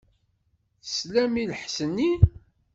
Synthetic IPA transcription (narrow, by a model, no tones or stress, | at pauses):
θəslæmiləħsənːi